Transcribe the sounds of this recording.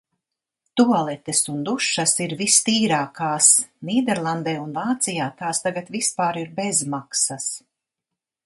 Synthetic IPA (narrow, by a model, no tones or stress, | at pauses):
t̪uɔlˠɛt̪esund̪uʃːasiɾvist̪iːɾaːkaːsniːd̪ɛɾlˠand̪ɛːunvaːt̪sijaːt̪aːst̪aɡat̪vispaːɾiɾbezmaksas